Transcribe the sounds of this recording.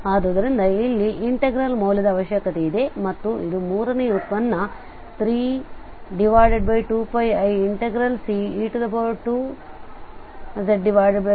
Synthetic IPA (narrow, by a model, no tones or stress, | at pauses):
aːd̪oːd̪ɐɾind̪ɐilːiʔiɳʈeɡɾɐlmoːljɐd̪ɐːʋɐʃjɐkɐt̪eid̪e̞mɐt̪ːuʔid̪umuːɾɐneut̪ʋɐnːɐ | t̪ɾiː | ɖiʋaːjɖeɖ̚bɐjʈuːpɐjɐjiɳʈeɡɾɐlsiiːʈud̪ɐbɐʈuː | zeɖɖiʋaːjɖeɖbɐ